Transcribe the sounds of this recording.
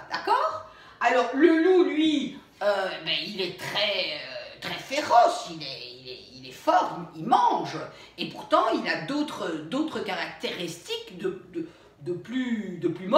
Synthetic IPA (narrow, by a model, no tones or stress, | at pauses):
d̪a̰kɔːʁ | alɔʁləlulɥi | øebɛilɛt̪χɛøt̪χɛfeʁɔsilɛilɛ | ilɛfɔʁmilmɑ̃ʒ | epuʁt̪ɑ̃ilad̪ot̪χəd̪ot̪χəkaʁak̚t̪eʁist̪ikd̪əd̪ə | d̪əplyd̪əplymɔ